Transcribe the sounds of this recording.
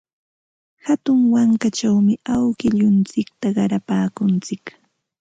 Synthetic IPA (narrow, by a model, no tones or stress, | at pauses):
hat̪ʊŋwaŋkat͡ʃawmɪawkɪʎʊnt͡sɪk̚t̪aɢɑɾapaːkʊnt͡sɪk